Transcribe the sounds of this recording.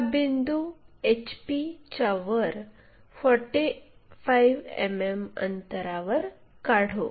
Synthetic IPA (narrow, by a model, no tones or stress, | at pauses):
bind̪uet͡ɕpit͡ɕaʋəɾ | fɔɾʈifʰajʋḛmemə̰nt̪əɾaʋəɾ | kaɽ̤o